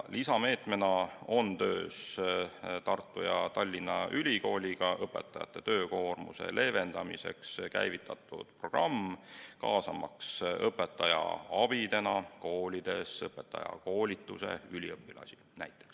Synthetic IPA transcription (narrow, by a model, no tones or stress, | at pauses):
lisɑme̞ːt̪me̞nɑo̞nt̪øːs | t̪ɑrt̪ːˑujɑt̪ɑlʲːinːɑʔylʲiko̞ːlʲiɡ̥ɑʔɤpːˑe̞̰t̪ːˑɑjɑ̰t̪ːe̞t̪ø̞ːko̞ːrmṵse̞̰lʔe̞ːve̞nd̪̥ɑmise̞̰kskæ̰jvit̪ːˑɑt̪ːˑud̪̥pro̞ɡ̥rɑmːkɑːsɑmɑksɤpːˑe̞t̪ˑːɑjɑ̰ɑb̥id̪e̞nɑko̞ːlʲid̪̥e̞sɤpːˑe̞t̪ːˑɑ̰jɑ̰ko̞ːlʲit̪ˑːuse̞̰ylʲiɤpːilɑ̰sʲi̥lnæjt̪ːˑe̥ks